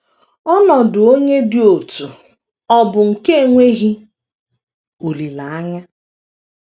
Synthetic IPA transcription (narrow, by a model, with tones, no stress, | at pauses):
ɔ˦nɔ˨dʊ˨o˦ɲe˦dɪ˨o˨tu˨ | ɔ˦bʊ˨ŋ̩˨ke˦e˨ŋʷe˦ɣi˦ | o˨li˨la˨a˦ɲa˦